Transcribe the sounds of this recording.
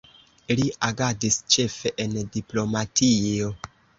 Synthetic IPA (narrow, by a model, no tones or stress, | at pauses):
liaɡadist͡ʃe̞fe̞ʔendiplo̞matʰio̞